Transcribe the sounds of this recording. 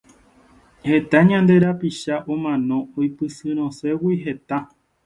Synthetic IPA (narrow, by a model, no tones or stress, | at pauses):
he̞t̪aɲãnd̪e̞ɾapiʃaʔomãnõ̞ojpɨsɨɾ̃õse̞wiɦe̞t̪a